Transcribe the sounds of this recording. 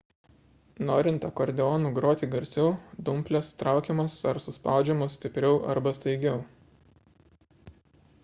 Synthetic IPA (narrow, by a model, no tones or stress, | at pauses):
noːɾʲɪnt̪ɐkɔɾʲd̪ʲɛɔːnuːɡɾoːt̪ʲiːɡɐɾʲsʲɛʊd̪ʊmʲpʲlʲɛst̪ɾɑˑʊkʲɛmɐsɐɾsʊspɑˑʊd͡ʒʲɛmʊsʲt̪ʲɪpʲɾʲɛʊʔɐ̰ɾbɐst̪ɐɪɡʲɛʊ